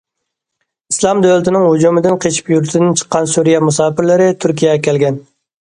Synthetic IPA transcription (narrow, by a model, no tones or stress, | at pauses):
islˠɑmd̪ølɪt̪ʰɪnɪŋɦud͡ʒumɪd̪ɪnqʰet͡ʃʰi̥pjuɾt̪ʰɪd̪ɪnt͡ʃʰə̥qːɑnsuɾijɛmusɑːpɪɾlɪɾɪt̪ʰyɾkʲʰijɛkʲɛlɡʲɛn